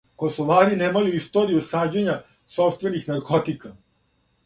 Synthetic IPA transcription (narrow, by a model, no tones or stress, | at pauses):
ko̞soʋaːɾineːmajuist̪o̞ːɾijusaːd͡ʑeɲa | sopst̪ʋe̞nixnaɾko̞t̪ika